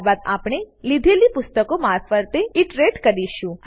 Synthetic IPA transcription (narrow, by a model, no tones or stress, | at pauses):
bad̪apɳ̃elid̪ʱelipʊst̪əkomaɾfəɾt̪eiʈɾeʈkəɾiʃũ